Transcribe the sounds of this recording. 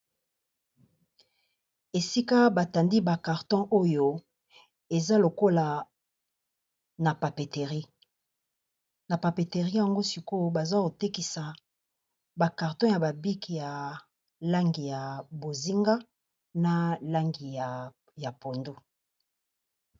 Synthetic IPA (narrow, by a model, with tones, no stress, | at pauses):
e˨si˦ka˦ba˨ta˨ndi˦ba˨ka˨ʁtɔ̃˦ʔo˦jo˦ | e˨za˦lo˨ko˦la˨ | na˨pa˨pe˨te˨ʁi˦ | na˨pa˨pe˨te˨ʁi˦ja˨ŋɡo˦si˨ko˦ba˨za˦ko˨te˦ki˨sa˨ | ba˨ka˨ʁtɔ̃˦ja˨ba˨bi˦kja˨ | la˦ŋɡi˨ja˨bo˨zi˦ŋɡa˦ | na˨la˦ŋɡi˨ | ja˨po˨ndo˦